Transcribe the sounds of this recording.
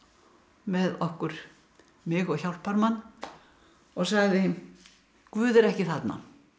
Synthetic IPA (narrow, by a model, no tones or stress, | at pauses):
mɛðɔhkʏɾ̥ | mɪɣɔɣçawlpʰaɾmanː | ɔɣsaɣðɪ | kvʏːðɛɾɛhcɪθat̪na̰